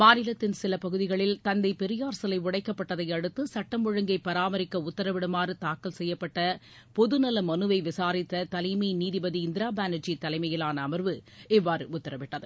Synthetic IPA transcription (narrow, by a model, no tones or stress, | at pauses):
maːnɪlɐt̪ːɪnsɪlɐpɐɣɯðɪɣɐɭɪlt̪ɐnd̪ɐɪpɛɾɪjaːɾsɐlɐɪʋʊɽɐɪkːɐpːɐʈːɐðɐɪɐɽɯt̪ːɯsɐʈːɐmɔɻɐŋɡɐɪpːɐɾaːmɐɾɪkːɐʊt̪ːɐɾɐʋɪɽɐmaːɾɯt̪aːkːɐlsɛjːɐpːɐʈːɐ | pɔðɯnɐlɐmɐnɯʋɐɪʋɪsaːɾɪt̪ːɐt̪ɐlɐminiːðɪbɐðiɪnd̪ɪɾaːbaːnɐʈd͡ʒit̪ːɐlɐɪmɐjɪlaːnɐːmɐɾʋɯɛʋːaːɾɯʊt̪ːɐɾɐʋɪʈːɐðɯ